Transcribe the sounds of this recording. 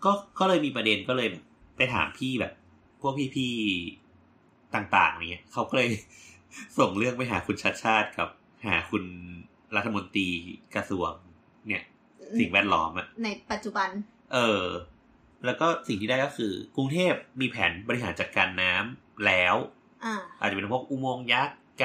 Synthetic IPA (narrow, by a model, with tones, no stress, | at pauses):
kɔː˥˩kɔː˥˩lɤː˧jmiː˧pɾa˧de˧nkɔː˥˩lɤː˧jbɛː˨˩p̚ːa˧jt̪ʰa̰ː˩˦mpʰiː˥˩bɛ̰ː˨˩p̚ʰː | u˥˩ək̚pʰiː˥˩pʰiː˥˩ | t̪aː˨˩ŋt̪a̰ː˨˩ŋa˧˩ŋːi˦˥ɐkʰa˦˥wkɔː˥˩lɤː˧j | so˨˩ŋlɯ˥˩əŋpa˧jɦa̰ː˩˦kʰu˧nt͡ɕʰa˦˥t̪̚t͡ɕʰaː˥˩t̪̚ka˨˩p̚ | ha̰ː˩˦kʰu˧n | ɾa˦˥t̪ʰːa˧mo˧nt̪ɾiː˧kɾa˧su˨˩əŋ | ni˦˥˩ɐ | si˨˩ŋwɛː˥˩t̪̚lɔː˦˥mʔa˨˩ʔna˧jpa˨˩t̪̚t͡ɕu˨˩ba˧n | ʔɤː˧ | lɛː˦˥wkɔː˥˩si˨˩ŋt̪iː˥˩da˥˩jkɔː˥˩kʰɯː˧ku˧ŋt̪ʰeː˥˩p̚miː˧pʰɛː˩˦nbɔ˧ɾi˧ɦaː˩˦nt͡ɕa˨˩t̪̚kaː˧nːaː˦˥m | lɛː˦˥w | ʔa˧˩aː˨˩t̪̚a˨˩pe˧pʰək̚ʔuː˥˩moː˧ŋja˦˥˩kː